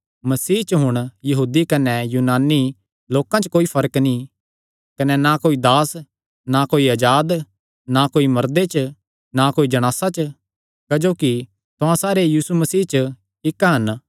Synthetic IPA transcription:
mɐsiːɦt͡ʃəɦʊɽ̃jɐɦuːd̪ikɐnɛjuːnaːni | loːkãt͡ʃkoːipʰɐɾəknĩ | kɐnɛnakoːid̪aːs | nakoːiɐd͡ʒaːd̪ | nakoːimɐɾd̪et͡ʃ | nakoːid͡ʒɐɽ̃aːsat͡ʃ | kɐd͡ʒoːki | t̪ʊ̃ãsaːɾejiːsumɐsiːt͡ʃə | ɪkɦɐn

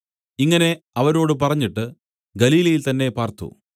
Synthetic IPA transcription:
iŋːɐne̞ɐʋɐɾo̞ːɽɨpɐrɐɲːiʈːɨ | ɡɐliːlɐjilt̪ɐnːe̞paːrt̪ṵ

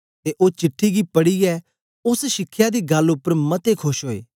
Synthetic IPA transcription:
t̪eʔoːt͡ʃɪʈʰːiɡipɐɽiɛ | ʊsʃɪkʰːjad̪iːɡɐlʊpːəɾmɐt̪ekʰʊʃɦoːḛː

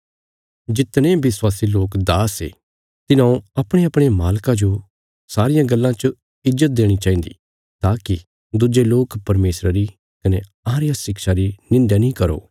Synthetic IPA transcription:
d͡ʒɪt̪ñẽbɪswaːsiloːkd̪aːsḛː | t̪ɪnãːõɐpɽ̃eɐpɽ̃emaːlkãd͡ʒo | saːɾɪjãɡɐlːãt͡ʃə | ɪzːət̪̚d̪eːɽ̃it͡ʃãːĩːnd̪ḭ | t̪aːki | d̪ʊd͡ʒeloːkpɐɾmeːsɾəɾi | kɐne | ãːɾjasɪkʃaɾinɪ̃ɳɖjanĩkɐɾo̰ː

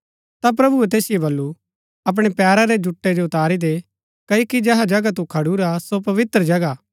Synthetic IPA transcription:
t̪ap̬ɾɐbuet̪̬eːsɪjebɐlːu | ɐp̬ɽ̃epɛːɾaɾed͡ʒʊʈːed͡ʒoʊt̪aːɾid̪e | kɐokid͡ʒɛɦad͡ʒɐɡat̪̬ũkʰɐɽuɾasopɐʋɪt̪ɾəd͡ʒɐɡa

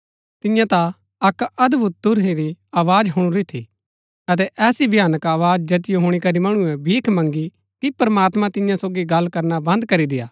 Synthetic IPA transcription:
t̪ɪjãt̪a | ɐkɐd̪bʊt̪̚d̪ʊɾɦeɾiaːʋaːd͡ʒɦʊɽ̃uɾit̪ʰḭ | ɐt̪̬ɛʔɛːsibjaːnəkaːʋaːd͡ʒd͡ʒɐt̪ɪjoɦʊɽ̃ikɐɾimɐɽ̃uɛbʱiːkʰmɐ̃ŋɡi | kipɐɾmaːt̪mãt̪ɪ̃jãsoːɡiɡɐlːkɐɾnabɐ̃nd̪kɐɾid̪ɪjaː

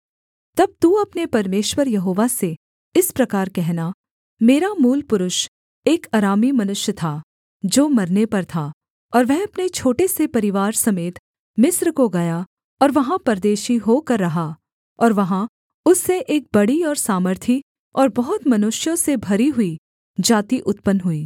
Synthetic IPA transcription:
t̪ɐb̚t̪uɐpnepɐɾmeːʃwəɾjɐɦoːʋase | ɪspɾɐkaːɾkɛɦna | meːɾamuːlpʊɾʊʃ | eːkaːɾaːmimɐnʊʃjət̪ʰa | d͡ʒoːmɐɾnepɐɾt̪ʰa | ɔːɾʋɛɦɐpnet͡ʃʰoːʈesepɐɾɪʋaːɾsɐmeːt̪ | mɪsɾkoɡɐja | ɔːɾʋɐɦãpɐɾd̪eːʃiɦokɐɾːɐɦa | ɔːɾʋɐɦã | ʊsːeʔeːk̚bɐɽiɔːɾsaːməɾt̪ʰi | ɔːɾbɐɦʊt̪mɐnʊʃjõsebʱɐɾiɦʊi | d͡ʒaːt̪iʔʊt̪pənɦʊiː

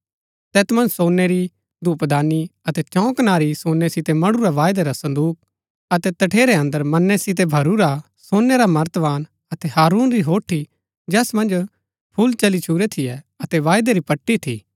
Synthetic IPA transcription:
t̪ɛːt̪mɐ̃nd͡ʒsoːnɛɾi | d̪ʱuːpd̪aːniɐt̪ɛt͡ʃɔ̃ːknaːɾisoːnːɛsɪt̪emɐɽuɾaʋaːjd̪eɾasɐ̃nd̪uːk̚ | ɐt̪ɛt̪ɐʈʰeːɾeɐ̃nd̪əɾmɐnːɛsɪt̪̬ebʱɐɾuɾa | soːnːɛɾamɐɾət̪ʋaːn | ɐt̪ɛɦaːɾuːnɾiɦoːʈʰi | d͡ʒɛːsmɐ̃nd͡ʒ | pʰʊlt͡ʃɐlit͡ʃʰuːɾɛt̪ʰijɛ | ɐt̪ɛʋaːjd̪eɾipɐʈːit̪ʰḭː

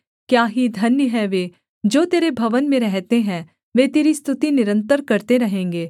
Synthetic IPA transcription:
kjaːɦid̪ʱɐnjəɦɛʋeː | d͡ʒoːt̪eːɾebʱɐʋənmẽɾɛɦt̪eɦɛ̃ː | ʋeːt̪eːɾist̪ʰʊt̪inɪɾə̃nt̪əɾkɐɾt̪eɾɐɦẽːŋɡeː

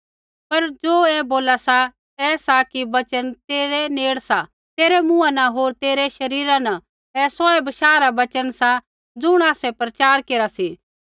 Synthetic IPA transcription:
pɐɾd͡ʒoːɛboːlasa | ɛːsakibɐt͡ʃənt̪eːɾeneːɽsa | t̪eːɾemʊ̃ːãnɐɦoːɾt̪eːɾeʃɐɾiːɾãnɐ | ɛsɔːɛbɐʃaːɾabɐt͡ʃənsa | d͡zʊɽ̃aːsɛpɾɐt͡ʃaːɾkeːɾasiː

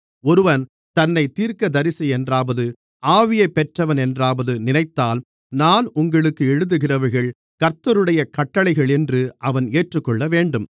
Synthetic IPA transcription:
ɔɾɯʋɐn | t̪ɐnːɐɪt̪iːɾkɐd̪ɐɾɪsɐɛndraːʋɐðɯ | aːʋɪjɐɪpːɛʈrɐʋɐnɛndraːʋɐðɯnɪnɐɪt̪ːaːl | naːnʊŋɡɐɭɯkːɯɛɻɯðɯɣɪrɐʋɐɾɣɐɭ | kɐɾt̪ːɐɾɯɽɐjɐkɐʈːɐɭɐɪɣɐɭɛndrɯʔɐʋɐneːʈrɯkːɔɭːɐʋeːɳɖɯm

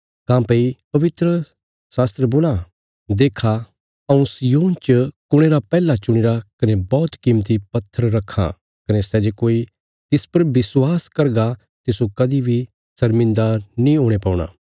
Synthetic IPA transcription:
kãːpeipɐʋɪt̪ɾə | saːst̪ɾəboːla | d̪eːkʰa | ɐũsijoːnt͡ʃəkʊɽ̃eːɾapɛːlat͡ʃʊɽ̃ɪɾakɐnebɔːt̪kimt̪̬ipɐt̪ʰːəɾːɐkʰːa̰ | kɐnesɛːd͡ʒekoːi | t̪ɪspɐɾbɪswaːskɐɾɡa | t̪ɪsukɐd̪ibʱi | sɐɾmɪ̃nd̪anĩɦoːɽ̃epãːɽ̃a̰ː

